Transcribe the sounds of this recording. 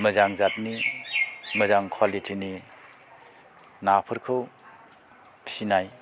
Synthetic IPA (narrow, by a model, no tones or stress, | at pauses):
məzaŋzat̚ni | məzaŋkʰwalitʰini | napʰɯɾkʰɯw | sinaj